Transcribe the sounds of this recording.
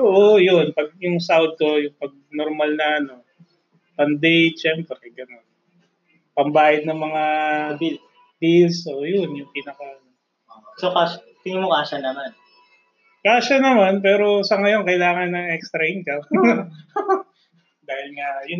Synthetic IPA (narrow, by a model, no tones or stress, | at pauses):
oʔojʊnpɐɡ̚jʊŋsawd̪̚ko̞jʊŋpɐɡ̚noɾmɐlnɐʔɐno̞ | pɐnd̪ɛjt͡ʃɛːmpɾɛɡɐno̞n | pɐmbaːjɐd̪̚nɐŋmɐŋabi | bilsʔoʔjʊnjʊŋpiːnɐkɐʔɐno | osokaʃ | t̪ɪŋɪmokaːʃɐnɐman | kaːʃɐnɐmanp̬ɛːɾo̞sɐŋɐjo̞nkɐɪlaːŋɐnːɐŋʔɛkst̪ɾɐɪnkɐ | d̪aːhɪlŋajʊ